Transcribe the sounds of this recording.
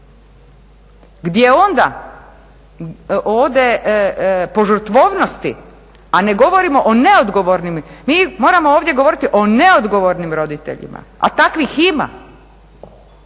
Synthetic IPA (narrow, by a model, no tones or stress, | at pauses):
ɡd̪jeo̞nd̪a | ʔoːʋd̪e̞ | po̞ʒɨɾt̪ʋo̞ːʋno̞st̪ḭ | ane̞ɡo̞ʋo̞ɾimo̞ʔone̞od̪ɡo̞ʋo̞ɾnimmiːmo̞ːɾamooːʋd̪je̞ɡo̞ʋo̞ɾit̪iʔo̞ne̞od̪ɡo̞ʋo̞ɾnimɾo̞d̪it̪ḛʎḭmʔa̰a̰t̪akʋixima̰